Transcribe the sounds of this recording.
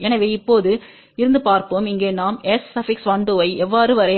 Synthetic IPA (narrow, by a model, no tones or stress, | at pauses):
ɛnɐʋeːɪpːoːðɯ | ɪɾɯnd̪ɯpaːɾpoːmɪŋɡeːnaːmɛsːɐfɪksʋɐɳɖ̪ɯʋɐɪʔɛʋːaːɾɯʋɐɾɐ